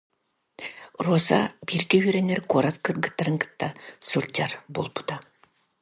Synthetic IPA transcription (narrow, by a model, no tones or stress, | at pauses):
ruɔsa̰biɾkœɥyɾɛnːɛɾkuɔɾaskɯɾɡɯt̪ːaɾɯŋkɯ̥t̪ːasɯɾt͡ɕaɾbulˠpu̥t̪a